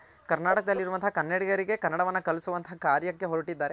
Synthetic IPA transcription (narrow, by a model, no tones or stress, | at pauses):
kɐɾnaːʈɐkɐd̪ɐlːiɾuʋɐnt̪ʰɐɐkɐnːɐɽiɡɐɾiɡe̞kɐnːɐɽɐʋɐnːɐkɐlisuʋɐnt̪ʰɐɐkaːɾjɐkːe̞ɦoɾuʈid̪ːaːɾe